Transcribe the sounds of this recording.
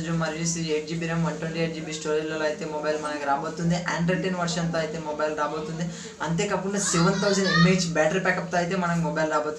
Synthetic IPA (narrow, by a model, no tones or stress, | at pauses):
d͡ʒumɐɾjusieːʈ̚d͡ʒiːbiɾemɐɳʈuɳɖieːʈ̚d͡ʒiːbiːsʈoːɾilɐlɐjt̪e̞ːmɔbɐjlmɐnɐŋkiɾaːboːt̪und̪iʔaːɳɖɾeʈenʋɐɾʃɐnt̪aːjt̪eːmɔbɐjlɾaːboːt̪und̪i | ɐnt̪e̞ːkɐpːuɽnɐsiʋɐnt̪ʰɐws̬ɐnimeːɖd͡ʒbɛːʈɐɾpɛːkɐp̚t̪aːjit̪e̞ːmɐnɐkimɔbɐjlɾaːboːt̪u